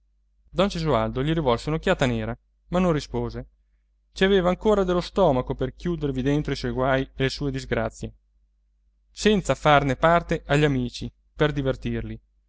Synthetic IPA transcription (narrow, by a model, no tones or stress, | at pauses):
d̪ɔnd͡ʒezuald̪oʎiɾivɔlseunokʲːjaːt̪aneːɾa | manːõnrispoːze | t͡ʃiaveːvaːŋkoːɾad̪elːost̪ɔːmakoperkjuːd̪ervid̪ent̪ɾoiswɔjɡwaːjelesuːed̪izɡɾat̪sːje | sɛnt̪safarnepart̪eʔaʎːamiːt͡ʃi | perd̪ivert̪irli